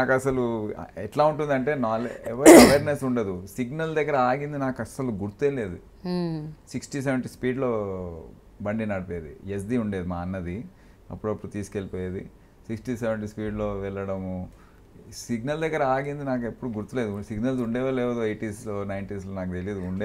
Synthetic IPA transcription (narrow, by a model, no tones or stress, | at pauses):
naːkɐsɐlṵɛʈlaːuɳʈund̪ɐɳʈe̞ːnaːleʋɐɐʋeːɾnesuɳɖɐd̪usiɡnɐld̪ɛɡɐɾɐaːɡind̪inaːkɐsɐluɡuɾt̪uelːeːd̪u | siksʈis̬eʋeɳʈispiːɖloː | bɐɳɖinaːɽpeːd̪ḭes̬diuɳɖeːd̪imaːɐnːɐd̪i | ɐ̰pːuɽɐpːuɽut̪iːsi̥kelpoːjed̪ḭ | siksʈiseʋeɳʈ̬ispiːɖloːʋɛɭːɐɽɐmu | siɡnɐld̪ɛɡɐɾɐaːɡind̪inaːkepːuɽuɡuɾt̪uleːd̪usiɡnɐlsuɳɖeːʋɐleːʋɐd̪uɐjʈiːsloːnɐjnʈis̬loːnaːkd̪eled̪uuɳɖe